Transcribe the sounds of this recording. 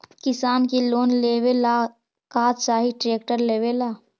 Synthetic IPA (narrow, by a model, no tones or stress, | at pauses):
kɪsaːnkiloːnleːʋela | kaːt̪t͡ʃaːɦiʈɾeːkʈəɾleːwelaː